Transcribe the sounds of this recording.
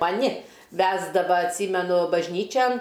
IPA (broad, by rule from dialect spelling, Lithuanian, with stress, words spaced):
mɐˈnʲɪ ˈʋʲæːzdɐʋɐ ɐtʲˈsʲiːmʲɛnʊ bɐʒʲˈnʲiːt͡ʃʲɛn